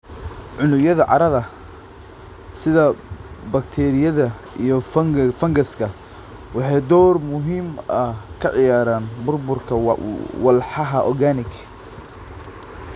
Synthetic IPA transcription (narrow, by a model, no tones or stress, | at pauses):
ʕʊnʊjɐðɐʕɑ̰ɾɐðɐ | sɪðɐbɐkt̪ʰɛːɾɪjɐðɐ | ijɞfɐŋɡɐskʰɐ | wɑħɑːd̪ɔːrmʊɦiːmɐkʰɐʕɪjaːɾaːnbʊrbʊrkʰɐwɑlħɑɦɐʔɔrɡaːnɪkʰ